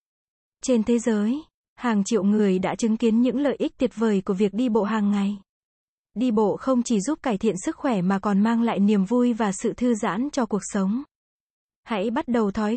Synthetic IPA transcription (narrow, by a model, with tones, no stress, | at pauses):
t͡ɕe˧nt̪ʰe˨˦zəː˨˦j | haː˨˩ŋt͡ɕḭ˧˨ə˨wŋɨ˨˩əjɗa̰ː˧˥t͡ɕɨ˨˦ŋki˨˦ənɲɨ̰˧˥ŋlə̰ː˧˨jʔi˦˥k̚t̪i˨˩əp̚vəː˨˩jku˧˩əvi˨˩ək̚ɗi˧ɓo̰˧˨ɦaː˨˩ŋːa˨˩j | ɗi˧ɓo̰˧˨xə˧wŋ͡mt͡ɕi˧˩zu˦˥p̚kaː˧˩jt̪ʰḭ˧˨ənsɨ˦˥k̚xwɛ˧˩maː˨˩kɔ˨˩nmaː˧ŋla̰ː˧˨jni˨˩əmvu˧jvaː˨˩sɨ̰˧˨t̪ʰɨ˧za̰ː˧˥nt͡ɕɔ˧ku˨˩ək̚sə˨˦wŋ͡m | ha̰˧˥jɓa˦˥t̚ɗə˨˩wt̪ʰɔ˨˦j